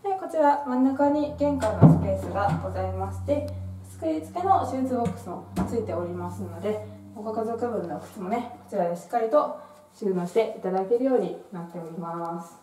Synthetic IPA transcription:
neko̞t͡ɕiɾamãnːakaɲ̟iɡẽ̞ŋkainosɨ̥pe̞ːsɨɡaɡ̥o̞zaimaɕi̥t̪e̞sɨ̥kɯ̟ɾʲit͡sɨ̥ke̞no̞ɕiːt͡sɨbokːɯ̟̥sɨot͡sɨit̪e̞oɾʲimasɨno̞d̪e̞ | okokazo̞ːkɯbɯ̟̃nːokɯ̟̥t͡simo̞ne̞ko̞̥t͡ɕiɾad̪e̞ɕi̥kːaɾʲit̪o̞ | ɕɨːnoːɕi̥t̪e̞ʔit̪ad̪ake̞ɾɯ̟jo̞ːɲ̟inat̪ːe̞o̞ɾʲimasɨ̥

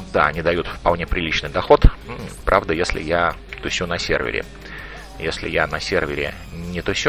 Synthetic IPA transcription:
d̪aɐnʲɪd̪ɐjut̪fpɐlˠnʲe̞pɾʲɪlʲit͡ɕnɨjd̪ɐxo̞t̪pɾʔavd̪əjesʲlʲɪ̰jat̪ʊsʲunɐsʲḛrvʲɪ̰ɾʲɪ̰ | jesʲlʲɪ̰janɐsʲervʲɪɾʲɪ̰ | nʲɪt̪ʊsʲu

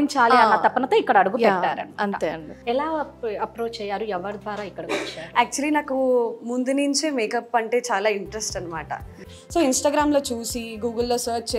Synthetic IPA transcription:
iɲt͡ʃaːliɐnːɐt̪ɐpːɐnɐt̪o̞ːikːɐɽɐɐɽuɡujɛʈːaːɾɐ̰nɐnt̪eɐɳiɛlaːɐpɾoːt͡ʃt͡ʃɛːjaːɾuɛʋːɐɾd̪ʋaːɾaːikːɐɽɐkot͡ʃːaɾaːk̚t͡ʃuɐlinaːkumund̪uniɲt͡ʃeːmeːkɐpːɐɳʈe̞ːt͡ʃaːlaːiɳʈɾesʈɐnːɐmaːʈɐ̰ | so̞ːinsʈaːɡɾaːmlo̞ːt͡ʃuːsiɡuːɡɐlːoːsɐːɾt͡ʃt͡ʃe

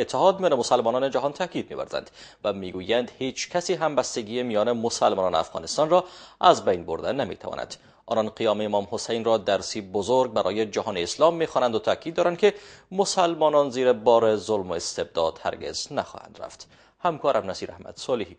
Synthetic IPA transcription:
et̪ʰːeɦɒːd̪̚mijɒːnemosalmɒːnɒːned͡ʒaɦɒnt̪ʰækid̪̚mḭvæ̰ɾzæ̰nd̪væmiːɡujænd̪het͡ʃkʰæsiɦæmbæst̪eɡiːemijɒːnemosælmɒːnɒːnea̰fɣɒ̰nest̪ɒnrɒæzbajnboɾd̪enamḭt̪ʰæ̰vɒ̰næ̰d̪̥ | ʔɒ̰ːnɒnqijɒːmeemɒːmhosejnrɒd̪æɾsibozoɾɡ̚bæɾʔɒ̰ːjed͡ʒæɦɒːneːslɒmːexɒːnænd̪ot̪ʰækʰid̪dːɒːɾænd̪kʰemosælmɒːnɒnziːɾebɒːɾezolmoest̪eb̚d̪ɒːd̪̥hæ̰ɾɡḛz̥næxɒ̰hæ̰nd̪ɾæ̰ft̪ | hæmkʰɒːɾæmnæsiːɾæ̰hmæ̰d̪̥sɒlehi

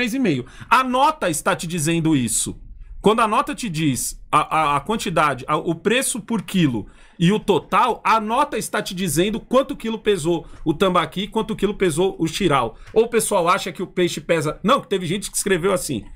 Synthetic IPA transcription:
ejzɪmejʊɐnɔt̪ɐɪst̪at͡ʃɪd͡ʒizẽnd̪ʊisʊ̰kwɐ̃nd̪ʊɐnɔt̪ɐt͡ʃɪd͡ʒisɐʔɐːkwɐ̃nt͡ʃid̪ad͡ʒɪʔɐʔʊpɾesʊpʊɾkilʊ̰ | ɪʊt̪ot̪awɐnɔt̪ɐɪst̪at͡ʃɪd͡ʒizẽnd̪ʊkwɐ̃nt̪ʊkilʊpezoʊt̪ɐ̃mbakiɪkwɐ̃nt̪ʊkilʊpezoʔʊʃiɾawowpesuawaʃɐkɪʊpeʃɪpɛzɐnɐ̃w̃kɪ̥t̪evɪʒẽt͡ʃɪ̥kɪi̥skɾevewasḭ̃

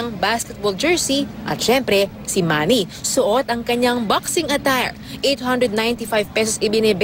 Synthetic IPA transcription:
ɐŋbaskɛt̪̚bold͡ʒɛɹsiʔɐ̰t̪̚ʃɛmpɾɛ | sɪmaːnisʊʔot̪ɐŋkɐɲaŋbaksɪŋɐt̪aɹ | ʔejt̪hɐnd̪ɾɛd̪najnt̪ifajvpɛsosɪbɪnɪb

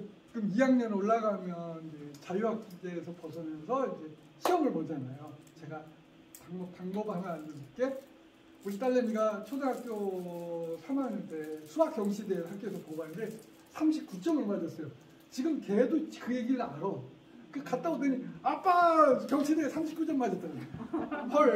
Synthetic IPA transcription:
t͡ɕikɯmijaŋɲʌnoɭːaɡamjʌnid͡ʑe̞t͡ɕajuɦak̚k͈ideːsʰʌpʌd͡ʑʌmjʌnsʰʌid͡ʑe̞ | ɕʰiʌmɯɭmʌd͡ʑanajo | t͡ɕe̞ɡa | paŋbʌpaŋbʌbɯɭhamjʌnandɯsk͈e̞ | oɾit͈aʎːeɲiɡat͡ɕʰodeɦak͈jo | sʰamanɯtesʰuak͈jʌŋɕʰideɭhak͈̚oes̬ʰʌpobanɯnde̞ | sʰamɕʰip̚k͈ut͡ɕ͈ʌmɯɭmadʌs͈ʌjo | t͡ɕiɡɯmkedokɯje̞ɡiɾɯɭaɾo | kɯkat̚t͈aɡodɯɲiap͈akjʌŋɕʰidesʰamɕ̬ʰipk͈ut͡ɕ͈ʌmmad͡ʑʌt͈ananpʰʌɾ

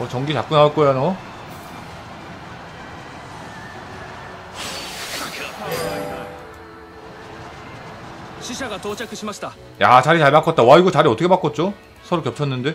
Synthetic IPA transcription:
ʌt͡ɕʌŋɡit͡ɕak͈unaʌt̚k͈ojanʌ | ɕʰiɕʰaɡatot͡ɕ͈akʰɯɕʰimaɕi̥da | jat͡ɕaɾit͡ɕaɭpak͈ʌt̚t͈awaiɡot͡ɕaɾiʌtʰʌkʰepak͈ʌt̚t͡ɕ͈o | sʰʌɾokjʌp̚t͡ɕʰʌnːɯnde̞

